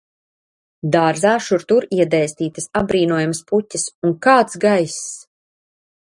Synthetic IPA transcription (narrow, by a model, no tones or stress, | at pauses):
d̪aɾzaːʃuɾt̪uɾiɛd̪ɛjst̪iːt̪ɐsabɾiːnuɔjamasput̪ʲːasunkaːt̪sɡajs